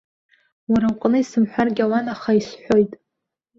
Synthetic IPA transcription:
waɾawqʼnɨisɨmħʷᶣarɡʲawanaχaisħʷᶣo̞jtʼ

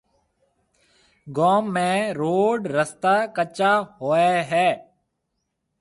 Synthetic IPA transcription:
ɡoːmːẽːɾoːɖɾəst̪aːkət͡ʃaːhoːeːɦɛː

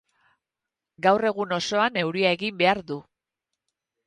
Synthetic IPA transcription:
ɡawre̞ɣuno̞so̞ane̞wɾiae̞ɣimbe̞aɾðu

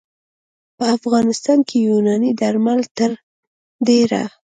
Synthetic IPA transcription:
pəafɣɑnɪst̪ɑnkʰejunɑnid̪aɾmalt̪əɾ | d̪eɾa̰

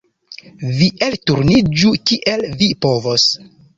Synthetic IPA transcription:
viʔeltuɾnid͡ʒukiʔelvipo̞vos

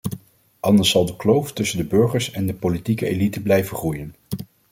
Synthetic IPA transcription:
ʔɑndəɹsɑlˠdəklowftɵsəndəbɵɹχəɹsɛndəpolitikəḛlitəblɛjvəχrujən

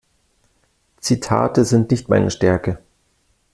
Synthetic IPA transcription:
t͡sitʰa̰ːtəzɪntnɪçtma̰ɪnəʃtɛɐkə

